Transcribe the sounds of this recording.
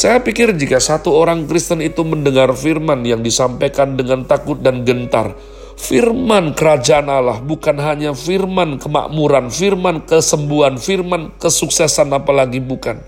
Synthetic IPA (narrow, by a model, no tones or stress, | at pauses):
sajapikɪrd͡ʒikasat̪uoɾaŋkɾist̪ənit̪uməndəŋarfirmanjaŋdisampajkandəŋant̪akʊt̪̚danɡənt̪a̰r | firmankəɾad͡ʒaʔanalahbukanɦaɲafirmankəma̰ʔmuɾanfirmankəsəmbuanfirmankəsuksɛsanapalaɡibukan